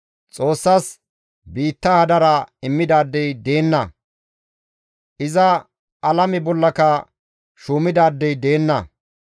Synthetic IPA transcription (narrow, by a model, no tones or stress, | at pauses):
t͡sʼo̞ːsːɐs | biːt̪ːɐhɐd̪ɐɾɐɪmːɪd̪aːd̪ːɛjd̪e̞ːnːɐ | ʔɪzɐ | ɐlɐmɪbɔlːɐkɐ | ʃuːmɪd̪aːd̪ːɛjd̪e̞ːnːɐ̰